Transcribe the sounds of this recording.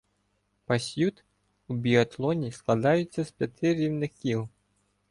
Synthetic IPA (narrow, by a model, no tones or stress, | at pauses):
pɐsʲjut̪ | ubʲiɐt̪lˠɔnʲisklˠɐd̪ɑjʊt͡sʲːɐspʲjɐt̪ɪɾʲiwnɪxkʲiw